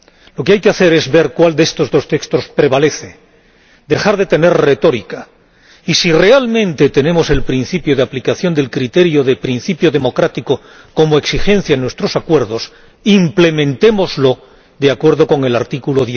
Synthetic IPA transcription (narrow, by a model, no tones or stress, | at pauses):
lo̞keajkeaθe̞ɾe̞zβe̞ɾkwald̪est̪o̞zðo̞st̪e̞kst̪o̞spɾe̞β̞ale̞θe̞ | d̪e̞xaɾðe̞t̪e̞ne̞rre̞t̪o̞ɾika | isire̞almẽ̞nt̪e̞t̪e̞nẽ̞mo̞se̞lpɾin̟θipjo̞ðeaplikaθjo̞nd̪e̞lkɾit̪e̞ɾjo̞ðe̞pɾinθipjo̞ðe̞mo̞kɾat̪iko | ko̞moeksixe̞nθjaenwe̞st̪ɾo̞sakwe̞ɾðo̞s | imple̞mẽ̞nt̪e̞mo̞zlo̞ | ðeakwe̞ɾð̞o̞ko̞ŋe̞laɾt̪ikulo̞ðje